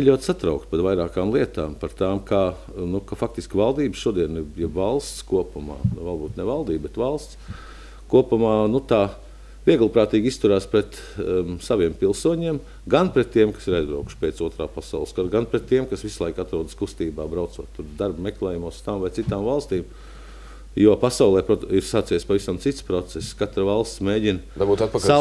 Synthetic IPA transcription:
iʎʲuɔt̪sat̪ɾaʊkt̪̚pat̪ʋajɾaːkaːmlˠiɛt̪aːmpaɾt̪aːmkaː | nukafak̚t̪iskʲʋalˠd̪iːbʃuɔd̪iɛnjɛbvalˠst̪skuɔpuma̰ːnuvalbuːt̪nɛʋalˠd̪iːbbɛt̪ʋalˠst̪s | kuɔpumaːnut̪aː | ʋiɛɡlˠpɾaːt̪iːɡist̪uɾaːspɾɛt̪ | saʋiɛmpilˠsuɔɲiɛm | ɡanpɾɛt̪ːiɛmkḁsiɾaɪzdɾuːku̥ʃpeːt̪suɔt̪ɾa̰ːpasa̰ʊlˠskaɾɡanpɾɛt̪ːiɛmkasʋislˠajkat̪ɾuɔd̪skust̪iːbaːbɾaʊt̪suɔt̪t̪ːuɾd̪aɾbmeklˠɛːjumuɔst̪aːmvajt̪sit̪aːmvalˠst̪iːm | juɔpasaʊlˠɛːpɾɔiɾsaːt̪sɛːjspaʋisamt̪sit̪spɾɔt̪sɛsskat̪ɾʋalˠst̪smeːɟinabuːt̪at̪pɐka

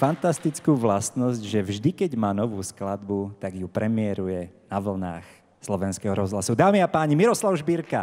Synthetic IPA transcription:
fant̪ast̪it͡skuːʋlast̪nɔzɟʒɛvʒd̪ikɛɟmaːnɔʋuːsklad̪but̪aɡjupɾʔɛmɪɛɾujɛnaʋl̩na̰ːx | slɔʋɛnskɛɦɔɾɔzɦlasud̪aːmiapaːɲimiɾɔslaʊʒbiɾka

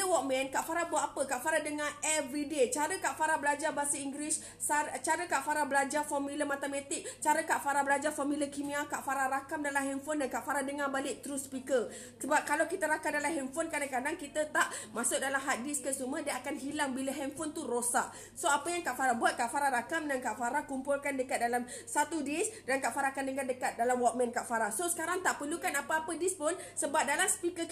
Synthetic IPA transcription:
əwɔk̚mɛ̃nkaʔfaɾabuat̪̚apəkaʔfaɾadəŋaɛvɾidet͡ʃaɾəkaʔfaɾabəlad͡ʒabasəiŋɡlis | aət͡ʃaɾəkaʔfaɾabəlad͡ʒarfɔmiləmat̪əmãt̪ɪk̚t͡ʃaɾəkaʔfaɾabəlad͡ʒafamiləkimĩakaʔfaɾaɾakamdalamɦɛnfɔndankaʔfaɾadəŋabalɪʔ̚t̪ɾuspikə | səbap̚kalawkit̪əɾakamdalamɦɛnfonkadaŋkadaŋkit̪ət̪aʔmasʊk̚dalamɦat̪̚diskəsumədiaakanɦilaŋbilaɦɛnfɔnt̪uɾosaʔ | soapəjaŋkaʔfaɾabuat̪̚kaʔfaɾaɾakamdankaʔfaɾakumpʊlkandəkat̪̚dalam | sat̪udisdankaʔfaɾakandəŋandəkat̪̚dalamwɔt̪̚mɛ̃nkaʔfaɾasosə̥kaɾaŋt̪aʔpərlukanapəapədispʊnsəbap̚dalamsə̥pikə

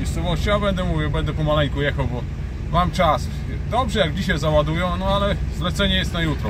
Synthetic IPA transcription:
ɲɛst̪sɔvɔɕt͡ɕiabɛnd̪ɛmuvʲjɛwbɛnd̪ɛpɔmalɛɲkujɛxawbɔ | mamt͡ʂas | d̪ɔbʐɛjaɡd͡ʑiɕajzawad̪ujɔ̃w̃nɔalɛzlɛt̪sɛɲɛjɛst̪najut̪ɾɔ

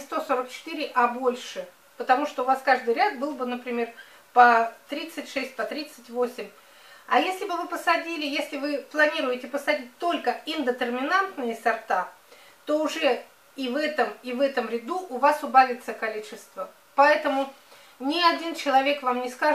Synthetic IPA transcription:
st̪o̞so̞ɾək̚t͡ɕɪ̥t̪ɨɾʲɪʔɐbo̞lʲʂɨ | pət̪ɐmuʂt̪oʊvaskaʐd̪ɨjɾʲat̪̚bɨlˠbɨnəpɾʲɪmʲe̞r | pɐt̪ɾʲit̪sɨtʲʂɛsʲt̚ʲpɐt̪ɾʲit̪sɨtʲvosʲɪmʲ | ɐjesʲlʲɪbɨvɨpəsɐdʲilʲɪjesʲlʲɪvɨplˠɐnʲiɾʊjɪtʲɪpəsɐdʲit̚ʲt̪o̞lʲkəɪnd̪ət̪ərmʲɪnant̪nɨjəsɐrt̪a | t̪o̞ʊʐɛ | ivɛt̪əmivɛt̪əmɾʲɪd̪uʔʊvasʊbalʲɪt̪səkɐlʲit͡ɕɪst̪və | pɐɛt̪əmʊ | nʲɪɐdʲint͡ɕɪlˠɐvʲe̞kvamnʲɪska

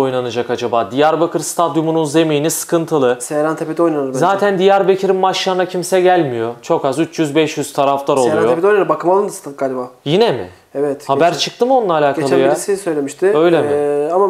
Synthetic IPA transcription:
o̞jnanɯd͡ʒakad͡ʒabaːd̪ijaɾbakʰɯɾst̪ʰad̪jumununze̞mijnisɯ̥kʰɯnt̪ʰɯlˠɯsseɾant̪ʰepet̪iojnanɾzaːt̪ʰænd̪ijaɾbecʰiɾimmaʃjanacʰimsɛɟælʲmijo̞t͡ʃʰo̞kazyt͡ʃjyzbɛʃjyz̥t̪ʰaɾaflˠaɾolˠuanjo̞ped̪onaɾɯmbakʰɯmalˠɯnd̪ɯst̪aɡaːlʲbaːjinemɪ̰ | evɛt̪habæɾt͡ʃʰɯk̚t̪ɯmonlˠaːlʲaːkʰealˠɯjɾsisøjlʲemiʃt̪ʰɪø̞jlʲemama

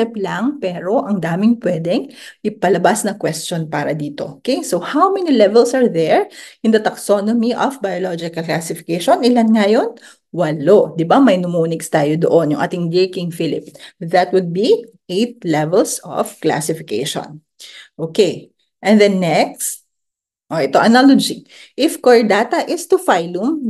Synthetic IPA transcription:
ɛplɐŋpɛːɾo̞ʔɐŋd̪aːmɪŋpwɛːd̪ɛŋʔɪpɐlɐbasnɐkwɛst͡ʃonpaːɾɐd̪iːt̪o̞̰ʔokejsohawmɛnilɛvɛlsɐɹðɛɹʔɪ̃nd̪ɐt̪ɐksonomiʔɔfbɐjolod͡ʒɪkɐlklasɪfɪ̥kejʃonɪlanŋɐjon | wɐlod̪ɪbamɐjnʊmuːnɪkst̪aːjod̪oʔonjʊ̰ŋʔa̰ːt̪ɪŋd̪ɪɹkɪŋfɪlɪ̰pðɐt̪wʊd̪̚bi | ʔejt̪̚lɛvɛlsɔ̰fkla̰sɪfɪkḛjʃõ̰n | ʔoːkej | ʔɛ̃nðɛnːɛks | ʔoʔɛt̪o̞ʔɐnalod͡ʒi | ʔɪfkoɹd̪aːt̪ɐʔɪst̪ufajlʊm

